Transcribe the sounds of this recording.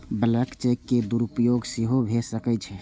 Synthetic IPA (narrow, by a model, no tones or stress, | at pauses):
bələkt͡ʃekːed̪uɾupjoɡsiɦobʱesəkɛt͡ʃʰɛ